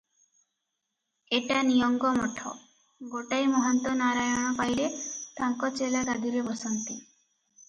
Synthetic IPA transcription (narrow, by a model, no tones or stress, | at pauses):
eʈanijɔŋɡɔmɔʈʰɔ̰ | ɡoʈajmɔɦɔnt̪ɔnaɾajɔɽ̃ɔpajlet̪aŋkɔt͡ʃelaɡad̪ʱiɾebɔsɔnt̪i